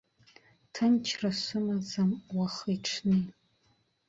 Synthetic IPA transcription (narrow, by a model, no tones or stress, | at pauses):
tʰɨnt͡ʃʰrasʷʊmazamwaχiʈ͡ʂʰnɨ